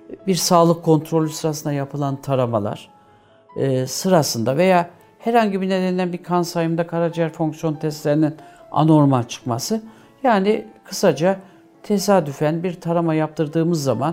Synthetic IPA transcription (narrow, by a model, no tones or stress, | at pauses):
biɾsaːlˠɯkʰːo̞nt̪ʰɾo̞lʲysɯɾasɯnd̪ajapʰɯlˠant̪ʰaɾama̰lˠa̰ɾ̥ː | sɯɾasɯnd̪ave̞jaː | hɛɾhaɲɟibined̪enilʲænbikʰansajɯmd̪akʰaɾad͡ʒijæɾfoŋksjo̞nt̪ʰɛst̪lʲeɾinin | a̰no̞ɾmalt͡ʃʰɯ̥kmasɯ | jaːnikʰɯ̥sad͡ʒa | t̪ʰe̞saːd̪yfænbiɾt̪ʰaɾamajap̚t̪ʰɯɾd̪ɯːmɯzːaman